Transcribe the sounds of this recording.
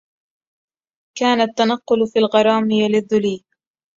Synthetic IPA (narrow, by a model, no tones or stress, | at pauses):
kaːnat̪ːanɑqːʊlfiːlɣɑɾˤɑːmɪjalɪðːʊliː